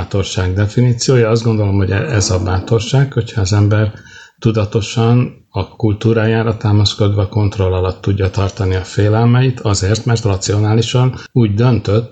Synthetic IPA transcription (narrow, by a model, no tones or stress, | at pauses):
at̪o̞rʃaːɡd̪ɛfiniːt̪sijoːjɒɒzd̪ɡo̞nd̪o̞lo̞mho̞ɟɛɛzɒbaːt̪o̞rʃaːkho̞chɒːzɛmbɛr | t̪ud̪ɒt̪o̞ʃɒn | ɒkult̪uːɾaːjaːɾɒt̪aːmɒsko̞d̪ʋɒko̞nt̪ro̞lːɒlɒt̪ːuɟːɒt̪ɒrt̪ɒniɒfeːlɛlmɛjit̪ʰɒzeːrt̪mɛrt̪rɒt̪sio̞naːliʃɒnuːɟd̪ø̞nt̪øt̪ː